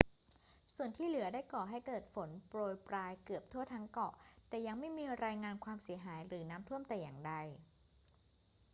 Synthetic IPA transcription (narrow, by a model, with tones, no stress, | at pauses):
su˨˩ənt̪ʰiː˥˩lɯ˨˩˦ɐdaː˥˩jkɔː˨˩ɦa˥˩jkɤː˨˩t̪̚fo˩˦npɾoː˧jpɾaː˧jkɯ˨˩əp̚t̪ʰu˥˩ət̪ʰa˦˥ŋkɔ˨˩t̪ɛː˨˩ja˧ŋma˥˩jmiː˧ɾaː˧jŋaː˧nkʰwaː˧msi˩˦ɐɦaː˩˦jɾɯː˩˦naː˦˥mt̪ʰu˥˩əmt̪ɛː˨˩jaː˨˩ŋda˧j